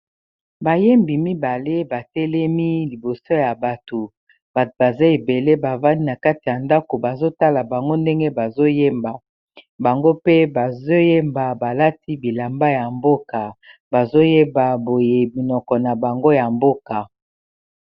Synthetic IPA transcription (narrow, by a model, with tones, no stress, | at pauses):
ba˨je˦mbi˨mi˦ba˨le˦ba˨tɛ˦lɛ˦mi˦li˨bo˨so˦ja˨ba˨to˨ | ba˨ba˨za˦e˨be˨le˦ba˨va˦ni˦na˨ka˦ti˨ja˨nda˦ko˨ba˨zo˦ta˦la˨ba˨ŋɡo˦nde˦ŋɡe˦ba˨zo˦je˦mba˨ | ba˨ŋɡo˦pe˦ba˨zo˦je˦mba˨ba˨la˦ti˦bi˨la˨mba˦ja˨mbo˦ka˨ba˨zo˦je˦ba˨bo˨je˨bi˨nɔ˨kɔ˨na˨ba˨ŋɡo˦ja˨mbo˦ka˨